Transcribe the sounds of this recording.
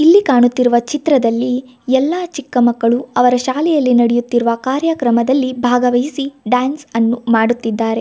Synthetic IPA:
ilːikaːɳut̪ːiɾuʋɐt͡ʃit̪ɾɐd̪ɐlːi | ɛlːaːt͡ʃikːɐmɐkːɐɭuɐʋɐɾɐʃaːlɛjɐlːinɐɽɛjut̪ːiɾuʋɐkaːɾjɐkɾɐmɐd̪ɐlːibʱaːɡɐʋɐjisiɖaːnsɐnːumaːɽut̪ːid̪ːaːɾe̞

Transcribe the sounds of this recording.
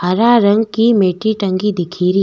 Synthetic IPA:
hɐɾaɾɐ̃ŋɡ̚kimeːʈiʈɐ̃ŋɡid̪ɪkʰiːɾi

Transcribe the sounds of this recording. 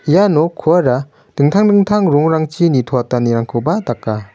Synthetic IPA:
ijanɔkʰuaɾa | d̥ɯŋtʰaŋdɯŋtʰaŋɾɔŋɾaŋt͡ʃinitʰɔataniɾaŋkʰɯwbadakːa

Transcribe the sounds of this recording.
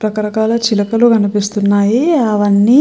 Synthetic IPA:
pɾɐkɐɾɐkaːlɐt͡ʃilɐkɐluɡɐnipist̪unːaːjiɐʋɐnːiː

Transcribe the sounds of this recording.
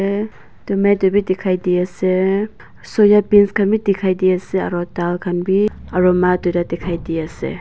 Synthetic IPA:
e | tumetɔbitikʰajdiase | sɔjapinskʰanbitikʰajdiasea̰ɾɔtalkʰanbiaɾɔmatujdatikʰajdiasḛ

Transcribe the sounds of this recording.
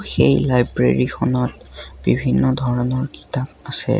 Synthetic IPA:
xejlajbɹḛɹikʰɔnɔtb̥ibʱinːɔdʱɔɹɔnɔɹki̥tap̚asɛ̰

